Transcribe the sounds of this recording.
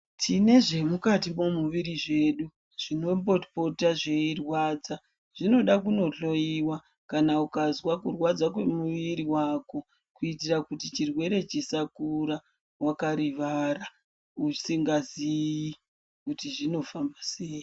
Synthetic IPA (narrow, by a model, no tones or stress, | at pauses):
tʰine̞ʐe̞mukatimo̞muʋiɾiʐe̞ːɗu | ʐ̥ino̞mbo̞tpo̞taʐeirwaːd͡za | ʐ̥ino̞ɗakuno̞ɬo̞jiwa | kanaukazwakurwad͡zak̬we̞muʋiɾiwaːko̞ | kuitirakutit͡ʃirwe̞ɾe̞t͡ʃisakuɾa | wakaɾiʋara | usiŋɡaziji | kutiʐino̞fambase̞ːji